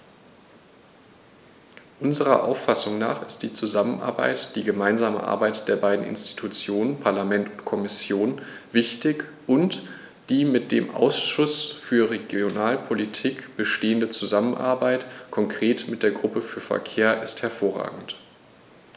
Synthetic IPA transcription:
ʔʊnzəʁɐ̰ʔa̰ʊfasʊŋna̰ːχɪstd̥iːt͡suzamənʔa̰ɐba̰ɪtd̥iːɡəmaɪnzaːmə̰ʔa̰ɐbaɪtd̥eːɐbaɪdn̩ɪ̰nsti̥tʰut͡sjoːnənpʰaɐlamɛntʊntkʰɔmɪsjoːn | v̥ɪçtɪk | ʔʊnt | d̥iːmɪt̚d̥eːmʔa̰ʊsʃʊsfyːɐʁeɡjonaːlpʰolitʰiːkb̥əʃteːəndət͡suzamənʔa̰ɐbaɪtkʰɔŋkʁ̥eːtmɪtd̥eːɐɡʁʊpəfyːɐfɛ̰ɐkʰeːɐʔɪsthɛɐfoːɐʁa̰ːɡŋ̩t

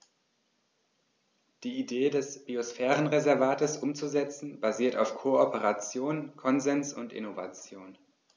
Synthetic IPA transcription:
d̥iːideːdɛsb̥iosfɛːʁənʁezɛɐvaːtəsʔʊmt͡suzɛt͡sn̩baziːɐtaʊfkʰoopəʁat͡sjoːnkʰɔnzɛnsʊntʔɪ̰nova̰t͡sjoːn

